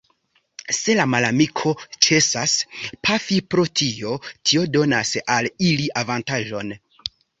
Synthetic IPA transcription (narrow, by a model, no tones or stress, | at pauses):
se̞lamalamikʰo̞t͡ʃe̞saspʰafipɾotʰio̞tʰio̞do̞nasaliliʔavantaʒo̞n